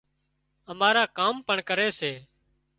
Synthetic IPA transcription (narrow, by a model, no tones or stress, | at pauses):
əmaːɾaːkaːmpəɳkəɾeːseː